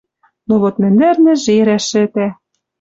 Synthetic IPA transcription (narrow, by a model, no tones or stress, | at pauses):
noɣot̪mɘ̆nd̪ɘ̆rnɘ̆ʒeɾæʃɘ̆t̪æ